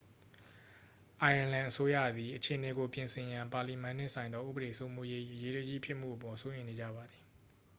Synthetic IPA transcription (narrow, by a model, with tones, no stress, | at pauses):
ʔa˨ã˨lã˨ʔəso˦jä̰˦˨d̪i˨ʔət͡ɕʰe˨əne˨ɡo˨pjɪ̃˨nsʰɪ̃˨jã˨mpa˨li˨mã˨n̥ɪ̰̃˦˨sʰã˨ɪ̃nd̪ðɔ˦ʔṵ˦bəɾe˨so˦mu˦je˦ʔḭ˦˨ʔəje˦ɾə˦d͡ʑi˦˨pʰjɪ˦ʔm̥ṵ˦˨ʔəpɔ̃˨so˦ʔɪ̃˨ne˨d͡ʑä̰˦˨ba˨d̪ði˨